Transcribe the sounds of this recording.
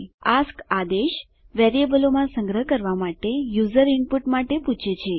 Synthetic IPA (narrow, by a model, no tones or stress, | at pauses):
askad̪eʃ | ʋɛɾiebəlomãsə̃ŋɡɾəɦəkəɾʋamaʈejuzəɾiɳpuʈmaʈeput͡ʃʰet͡ʃʰe